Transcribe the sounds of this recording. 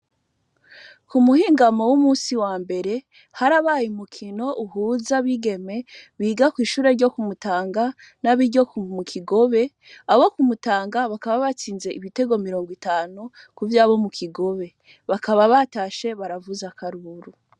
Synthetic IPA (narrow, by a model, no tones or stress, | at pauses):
kumuhiːŋɡamo̞wumuːsiwaːmbe̞ɾe̞ | haɾaβaːjumukʰino̞ʔuɦuːzaβiɡe̞me̞βiːɡakwiːʃuːɾe̞ɾɟo̞kumutaːŋɡa | naβiɾɟo̞kmukʰiɡo̞βe̞ | aβo̞kumutaːŋɡaβakaβaβat͡siːnze̞ʔiβite̞ɡo̞miɾo̞ːŋɡwitaːnu | kuvjaːβo̞mukʰiɡo̞βe̞ | βakaβaβataʃe̞βaɾavuzakʰaɾuɾu